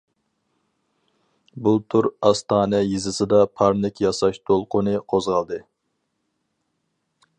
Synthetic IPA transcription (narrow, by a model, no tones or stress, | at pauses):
but̪ʰuɾɑst̪ʰɑːnɛjizɨsɨd̪ɑpʰɑɾnɪkʲjɑsɑʃt̪ʰolˠqʊnɨqʰozʁɑlˠd̪ɨ